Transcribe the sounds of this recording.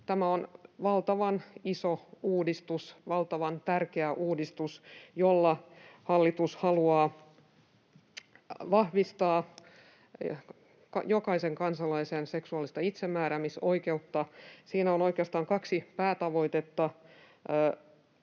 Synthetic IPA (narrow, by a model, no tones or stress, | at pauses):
t̪æmæonʋɑlt̪ɑʋɑnisouːdist̪usʋɑlt̪ɑʋɑnt̪ærkeæʔuːdist̪usjolːɑhɑlːit̪ushɑluɑː | ʋɑhʋist̪ɑː | kɑjokɑiseŋkɑnsɑlɑisenseksuɑˑlist̪ɑit̪semːæːɾæmisoike̞ut̪ːɑsiːnæono̞ikeɑst̪ɑːŋkɑksipæːt̪ɑʋo̞it̪et̪ːɑ